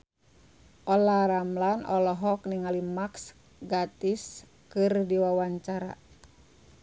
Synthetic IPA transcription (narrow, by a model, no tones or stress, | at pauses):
ʔɔlaɾamlanʔɔlɔɦɔkniŋalimaks | ɡat̪is | kɨrdiwawaɲt͡ʃaɾa̰